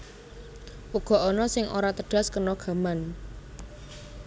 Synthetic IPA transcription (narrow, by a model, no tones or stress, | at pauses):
puɡ̥ɔ̤ʔɔnɔsɪŋʔo̰ɾat̪əɖ̥a̤skərnɔɡ̥a̤man